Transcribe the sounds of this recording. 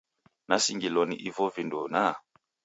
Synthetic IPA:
nasiŋɡilɔniʔivɔvindɔna

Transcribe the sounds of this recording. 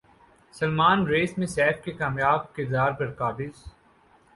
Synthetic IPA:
sɐlmaːnɾeːsmẽsɛːfkekaːmjaːb̚kɪɾd̪aːɾpɐɾkaːʈɪz

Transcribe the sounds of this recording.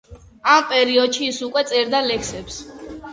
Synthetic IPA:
ampʼɛɾiɔd̪ʃiːsukʼwɛt̪sʼɛɾd̪alɛkʰsɛps

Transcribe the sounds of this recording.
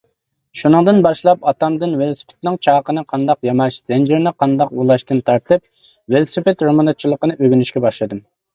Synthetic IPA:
ʃunɨŋd̪ɨnbɑʃlˠɑpɑt̪ɑmd̪ɨnwelˠsɨ̥pʰɪ̥t̪nɪŋt͡ʃʰɑːqənɨqʰɑnd̪ɑqjɑmɑʃz̥ɛnd͡ʒɪɾnɨqʰɑnd̪ɑqulˠɑʃt̪ɨnt̪ʰɑɾt̪ɨp̚ | welˠsɨpɪt̪ɾomɑnɨt͡ʃʰːilˠəqənɨʔøɡʲynyʃkʲɛbɑʃlˠɨd̪ɨm

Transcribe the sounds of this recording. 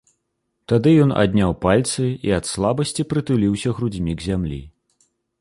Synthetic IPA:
t̪ad̪ɨjɔna̰d̪̚ʲnʲawpalʲt̪sɨiɐt̪slˠabɐsʲt͡sʲipɾɨt̪ulʲiwsʲɐɣɾud͡zʲmʲiɡzʲamlʲḭ

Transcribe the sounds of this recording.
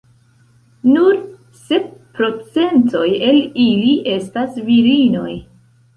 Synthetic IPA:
nuɾ | se̞p̚pɾo̞t͡se̞nto̞jeliliʔe̞stasviɾino̞̰j

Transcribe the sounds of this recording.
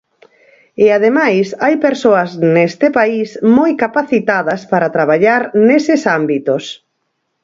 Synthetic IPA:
ɪaðemajsajpeɾsoɐznest̪ɪpaismojkapaθit̪aðɐspaɾat̪ɾaβ̞aʎaɾnesɪsambit̪os

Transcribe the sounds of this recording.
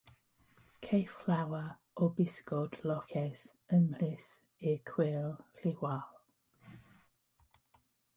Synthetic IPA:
kʰejflawa | ɔbɪskɔdlɔkʰɛs | ənlɪθ | ɪkʰw̥ɪlˠɬɪwalˠ

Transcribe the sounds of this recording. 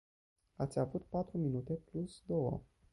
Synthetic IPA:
at̪sʲavut̪pat̪ɾuminut̪e̞plusd̪o̞wə̰

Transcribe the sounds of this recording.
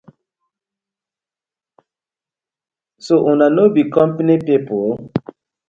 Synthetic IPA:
soʔunanobikɔmpanipipol

